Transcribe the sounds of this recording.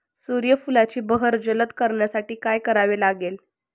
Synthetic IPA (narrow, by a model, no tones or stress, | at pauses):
suɾjəfulat͡ɕiːbəɦəɾd͡ʑələt̪kəɾɳjasaʈiːkajkəɾaʋelaɡel